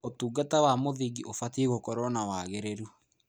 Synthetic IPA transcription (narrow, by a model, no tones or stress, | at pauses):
otuːɡatawamoðiɡiʔofateɣokɔɾɔnawaɣɛɾɛɾu